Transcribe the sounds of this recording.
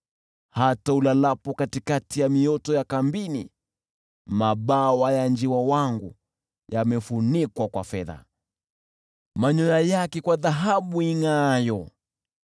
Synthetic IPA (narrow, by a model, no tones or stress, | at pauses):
hataulalapɔkatikatijamiɔtɔjakambini | maɓawajand͡ʒiwawaŋɡṵ | jamɛfunikwakwa̰fɛða̰ | maɲɔjajakɛkwaðaɦaɓuiŋajɔ